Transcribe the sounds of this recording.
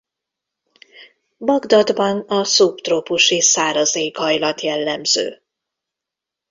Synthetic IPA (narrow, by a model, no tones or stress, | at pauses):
bɒɡd̪ɒd̪bɒnɒsupt̪roːpuʃisaːɾɒzeːkhɒjlɒt̪jɛlːɛmz̥ø̰ː